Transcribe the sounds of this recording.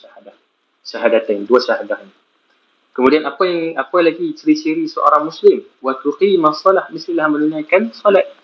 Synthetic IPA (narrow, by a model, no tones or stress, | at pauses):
ahadah | ʃaɦadat̪aniduaʃaɦadahni | kəmũdianapajaŋapajalaɡit͡ʃəɾit͡ʃəɾisəʔo̰ɾaŋmuslɪm | wat̪uqimasˤːɔlahmist̪ilahmənunajkansɔlat̪̚